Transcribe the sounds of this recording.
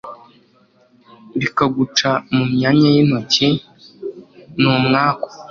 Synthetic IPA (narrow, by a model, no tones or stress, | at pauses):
βikaɡut͡ʃamumɲaɲajin̥oci | numŋaːko̥